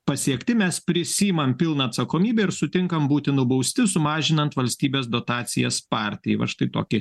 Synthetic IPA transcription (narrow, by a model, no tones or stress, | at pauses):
pɐsʲiɛkt̪ʲɪmʲɛspʲɾʲɪsʲiːjɪmɐmpʲɪlˠnɐːt̪sɐkoːmʲiːbʲɛɪɾsʊt̪ʲɪŋkɐmbuːt̪ʲɪnʊbɐʊsʲt̪ʲɪsʊmɑːʒʲɪnɐnt̪ʋɐlʲsʲt̪ʲiːbʲeːs̬d̪oːt̪ɑːt̪sʲɪjɛspɑːɾʲt̪ʲɪjɛɪʋɐ̰ʃt̪ɐɪt̪oːkʲɪ